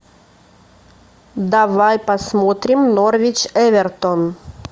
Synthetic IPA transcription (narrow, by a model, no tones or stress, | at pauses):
d̪avajpɐsmot̪ɾʲɪmnorvʲɪt͡ɕɛvʲɛrt̪on